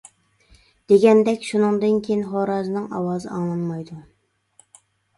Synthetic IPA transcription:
d̪̥eɡʲɛnd̪ɛkʲʃunɨŋd̪ɨnkʲʰejinχoɾɑːzɨnɨŋɑ̰wɑːzɨ̰ɑŋlˠɑnmɑjd̪u

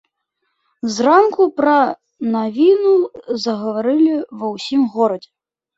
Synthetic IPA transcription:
zrankupɾɐ | navʲinuzɐɣɐvaɾɨlʲivɐwsʲimɣɔɾɐd͡zʲɛ

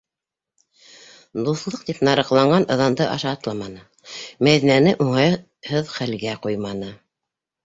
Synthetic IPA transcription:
d̪uθlˠɤq̚t̪ipnɑɾɤ̆qlˠɑɴɢɑnʔɤ̆ðɑnd̪ɤʔɑ̰ʃɑːt̪lˠɑmɑnɤ | mæðinænɘʔuɴɑj | hɤðχælɡæqujmɑnɤ

